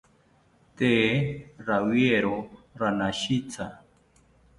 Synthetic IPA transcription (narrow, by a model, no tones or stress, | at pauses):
t̪eːɾawjeɾoɾanaʃit͡sʰa